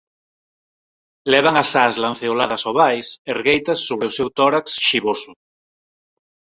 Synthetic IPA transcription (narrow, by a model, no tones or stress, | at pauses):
lɛβ̞aŋasaslãnθeolaðɐsoβajserɣejt̪ɐsːoβɾeʊsewt̪ɔɾaksʃiβosʊ